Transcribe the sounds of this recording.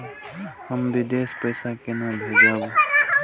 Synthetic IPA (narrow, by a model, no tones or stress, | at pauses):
həmbid̪espəjsakenabʱed͡ʒabõ